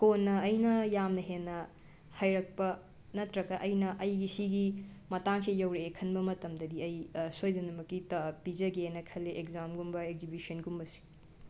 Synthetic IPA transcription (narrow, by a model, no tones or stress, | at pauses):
konːɐːjnɐjamnɐɦenːɐ | hajɾɐk̚pɐ | nɐtɾɐkɐʔɐjnɐʔɐjɡisiɡimɐtaŋkʰejɐwɾeːkʰɐnbɐmɐtɐmdɐdiɐjsojdɐnɐmɐkːitɐpid͡ʒɐɡenɐkʰɐlːeʔekzamɡumbɐek̚zibisɐnɡumbɐsi̥